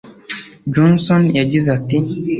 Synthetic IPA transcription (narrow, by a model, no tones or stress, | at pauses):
d͡ʒɔnsɔnjad͡ʒizat̪i